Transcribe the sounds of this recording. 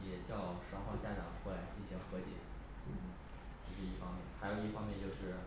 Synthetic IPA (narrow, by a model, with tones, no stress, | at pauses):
jɛ˨˩t͡ɕjɑ˥˩ʊʂɑ˧˥ŋxwɑ˥˩t͡ɕja˥ʈ͡ʂɑ˨˩˦ŋxwɛ˥˩la˧˥ɪt͡ɕi˥˩nɕi˧˥ŋxɤ˧˥t̪jɛ̰˨˩˦ | n̩˥˩ | t͡ɕo˥˧ʂɻ̩˥˧i˥˩fɑ˥ŋmjɛ˥˩nxa˧˥ɪjo˨˩ʊi˥˩fɑ˥ŋmjɛ˥˧nt͡ɕjo˥˧ʊʂɻ̩˥˩